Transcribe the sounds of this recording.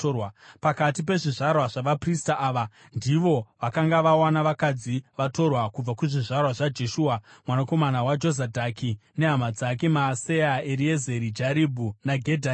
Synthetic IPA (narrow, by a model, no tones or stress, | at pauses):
wapakatip̬e̞ʐiʐarwaʐaʋapristaʔaːʋa | ndiʋo̞ʋakaŋɡaʋawanaʋakad͡ziʋato̞rwakub͡vakuʐiʐarwaʐad͡ʒe̞ʃuːamwanako̞manawad͡ʒo̞zadʱakʰine̞ɦamad͡zake̞maːse̞jaeɾie̞ze̞ɾid͡ʒaɾibʱunaɡʱedʱa